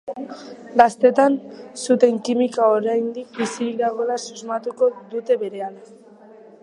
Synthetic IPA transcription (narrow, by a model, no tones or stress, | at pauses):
ɡast̪e̞t̪ansut̪e̞ŋkimikaoɾajnd̪ik̚bisiðaɣ̞o̞lasuzmat̪uko̞ðut̪e̞βe̞ɾe̞ala